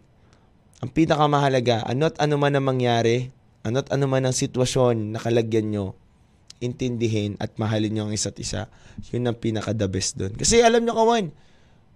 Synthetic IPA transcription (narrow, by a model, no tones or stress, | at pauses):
ʔɐŋpiːnɐkɐmɐɦɐlɐɡaʔɐ̰noɐt̪ʔɐnomanɐŋmɐŋjaːɾɛ | ʔɐnoʔt̪ʔɐnomanɐŋsɪt̪wɐʃo̞nːɐkɐlɐɡjɐnɲo̞ | ʔɪnt̪ɪnd̪ɪɦɪnɐ̰t̪̚mɐɦalɪɲɲoʔɐŋʔɪsat̪ʔɪsa̰jʊnːɐŋpiːnɐkɐd̪ɐbɛsd̪onkɐsɛʔɐlamɲokɐwan